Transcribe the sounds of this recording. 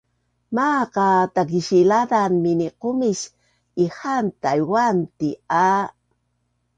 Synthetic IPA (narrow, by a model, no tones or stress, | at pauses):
maqat̪ak̬iʃilad̪anminiqomiʃ | ihant̪ajwant̪ia